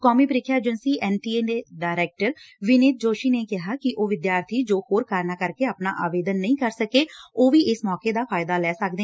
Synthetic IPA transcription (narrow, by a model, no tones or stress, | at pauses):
kɔːmiːpəɾiːkʰjaːd͡ʒənsiːʔɛːnʈiːeːneɖaːɪɾɛːk̚ʈəɾʋɪnɪːt̪̚d͡ʒoːʃiːneːkɪɦaːkɪʔoːʋɪd̪jaːɾt̪ʰiːd͡ʒoːhoːɾkaːɾnaːkəɾkeːaːpna̰ːʔaːʋeːd̪ənːəĩːkəɾsəkeːoːʋiːʔɪsmɔːkeːd̪aːpʰaːɪd̪aːlɛːsək̚d̪eː